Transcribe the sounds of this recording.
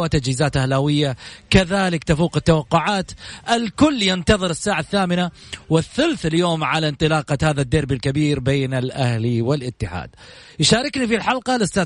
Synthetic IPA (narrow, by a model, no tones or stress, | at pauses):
wat̪ad͡ʒhiːzaːt̪ʔahlawɪjːakaðaːlɪkt̪afuːqɪt̪ːawɑqːʊʕaːt̪ʔɪlkʊlːjɪnt̪ɑðˤɨɾɪsːaːʕaθːaːmɪnawɪθːʊlθɪljoːmʕalant̪ˤɨlɑːqɑhaːðad̪ːɑɾbilkabiːɾbeːnalʔa̰hliwɪlʔɪt̪ːɪħa̰ːd̪̥̚ | jʃaːɾˤɪknifilħɑlqɑlɪst̪a